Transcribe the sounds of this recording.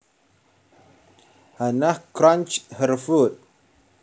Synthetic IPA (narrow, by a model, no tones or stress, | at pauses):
hanahkɾant͡ʃhəɾfut̪̚